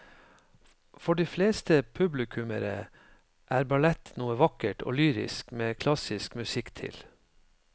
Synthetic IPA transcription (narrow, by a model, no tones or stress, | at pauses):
fɔɖiːfleːst̪əpʰʉblɪkʰʉməɾə̰ | ʔæːɾbɑlɛt̪nuːəʋɑkəʈʰo̰ːlyːɾɪ̰skmeːkʰlɑsɪskmʉsɪkt̪ʰɪ̰l